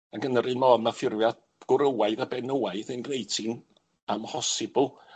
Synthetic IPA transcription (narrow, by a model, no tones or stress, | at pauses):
aɡənəɾɨnmɔnafɪrvjad | ɡ̥ʊɾəwaɨðabɛnəwajðɨnɡnejtʰɪn | amhɔsɪbʊlˠ